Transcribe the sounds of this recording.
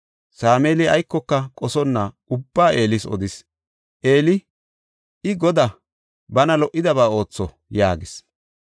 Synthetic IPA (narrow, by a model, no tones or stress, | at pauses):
saːmeːlɪɐjkːɔkːɐkʼɔsɔnːɐʔʊbːaːʔe̞ːlɪsɔ̰d̪ɪs | ʔe̞ːlɪ | ɪɡɔd̪ɐ | bɐnɐlɔʔːɪd̪ɐβaːo̞ːt͡sːɔ | jaːɡɪs